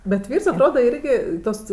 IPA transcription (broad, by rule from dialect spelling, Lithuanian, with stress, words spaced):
bʲɛt ˈʋʲiːrs ɐtˈroːdɐ ˈɪrʲɡʲɪ ˈtoːs